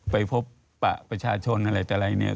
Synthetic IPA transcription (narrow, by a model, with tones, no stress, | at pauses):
pa˧jpʰo˦˥p̚ː | a̰˨˩ʔpɾa˧t͡ɕʰaː˧t͡ɕʰo˧nʔa˧ɾa˧jt̪aː˨˩ɾa˧jni˦˥˩ɐ